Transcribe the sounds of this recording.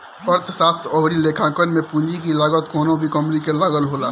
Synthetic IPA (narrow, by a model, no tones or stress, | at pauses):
əɾt̪ʰsaːst̪ʰɔːɾileːkʰãːkənmẽpũɲd͡ʒikilaːɡət̪kɔːnõbʱikəmɾikelaɡəlɦoːlaː